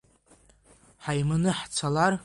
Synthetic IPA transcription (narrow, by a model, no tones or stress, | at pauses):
ħajmɨnɨħt͡sʷʰalar